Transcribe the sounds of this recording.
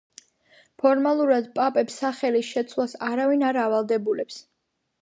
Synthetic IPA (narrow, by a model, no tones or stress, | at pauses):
pʰɔɾmalˠuɾad̪pʼapʼɛpsːaχɛlisʃɛt̪sʰlˠasaɾavinaɾavalˠd̪ɛbulɛps